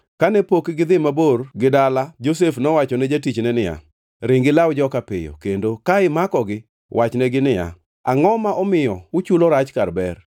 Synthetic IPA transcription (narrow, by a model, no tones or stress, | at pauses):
kanɛpokɡɪd̪ɪmaborɡɪdalad͡ʒos̬efnɔwat͡ʃɔnɛd͡ʒatit͡ʃnɛnɪja̰ | ɾɪŋɡɪlawd͡ʒɔkapɪ̰jɔ̰kendokaɪmakɔɡɪ | wʔat͡ʃnɛɡɪnɪja̰ | a̰ŋɔmaʔɔmɪjɔʊt͡ʃulɔɾat͡ʃkarbɛr